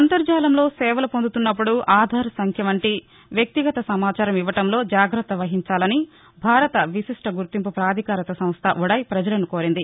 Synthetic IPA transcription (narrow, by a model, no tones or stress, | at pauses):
ɐnt̪ɐɾd͡ʒaːlɐmlo̞ːsɛːʋɐlɐpond̪ut̪unːɐpːuɽuʔaːd̪ʱaːɾɐsɐŋkʰjɐmɐɳʈi | ʋjɐk̚t̪iɡɐt̪ɐsɐmaːt͡ʃaːɾɐmiʋːɐʈɐmlo̞ːd͡ʒaːɡɾɐt̪ːɐʋɐɦiɲt͡ʃaːlɐni | bʱaːɾɐt̪ɐʋisiʂʈɐɡuɾt̪impupɾaːd̪ʱikaːɾɐt̪ɐsɐm̃st̪ʰɐ̰ʔuɽɐjipɾɐd͡ʒɐlɐnuko̞ːɾind̪i